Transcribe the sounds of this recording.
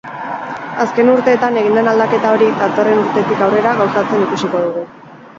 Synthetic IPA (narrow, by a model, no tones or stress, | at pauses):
aske̞nuɾt̪e̞ːt̪ane̞ɣind̪enald̪ake̞t̪ao̞ɾid̪at̪o̞re̞nuɾt̪e̞t̪ikawre̞ɾaɣawsat͡se̞nikusiko̞ðuɣ̞u